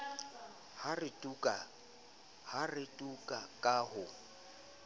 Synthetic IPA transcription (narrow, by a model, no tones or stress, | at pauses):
harɪtʼukʼa | harɪtʼukʼakʼahʊ